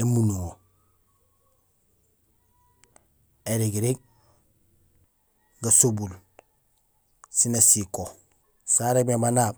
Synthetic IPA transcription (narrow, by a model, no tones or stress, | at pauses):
emunuŋo | eɾiɡiɾiɡ̚ | ɡasobul | sinasiko | saɾebemanaːb